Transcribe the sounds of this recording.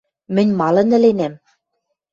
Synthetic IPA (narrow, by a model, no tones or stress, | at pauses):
mɘ̆nʲmɑlɤ̆nɘ̆lenæm